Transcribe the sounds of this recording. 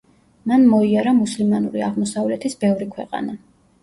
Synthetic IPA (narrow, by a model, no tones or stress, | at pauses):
manmɔiaɾamuslimanuɾia̰ʁmɔsavlɛt̪ʰisbɛvɾikʰwɛ̰qʼa̰na